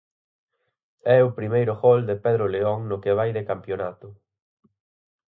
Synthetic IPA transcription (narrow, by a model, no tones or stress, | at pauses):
ɛʊpɾimejɾʊɣɔld̪epeðɾʊleɔŋnʊkeβ̞ajðekampjonat̪ʊ